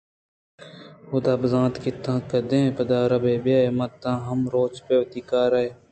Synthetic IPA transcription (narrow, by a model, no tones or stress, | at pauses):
hʊd̪aːbɐzãːt̪kɪt̪ãːkɐd̪ẽːpɐd̪aːɾɐbeːbjaːemɐt̪ːãːɦɐmɾoːt͡ʃpewɐt̪iːkaːɾɐe